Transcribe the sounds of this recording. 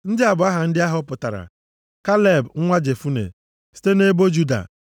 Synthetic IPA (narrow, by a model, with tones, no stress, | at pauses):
n̩˦dɪ˦a˨bʊ˨a˦ɦa˨n̩˦dɪ˦a˦ɦɔ˦pʊ˨ta̰˨ɾa̰˨ | ka˦lɛ˦˨bŋ̩˦ŋʷa˦d͡ʒe˨fu˦nḛ˨ | si̥˦te˦ne˦bo˦d͡ʒu˦da̰˨